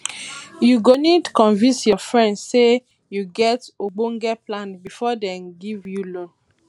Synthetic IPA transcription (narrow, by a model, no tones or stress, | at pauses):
juɡonitkɔ̃nvĩnsjɔfɹɛ̃ndse | juɡɛtoɡ͡boŋɡɛplãnbifɔdɛ̃nɡivjulɔ̃n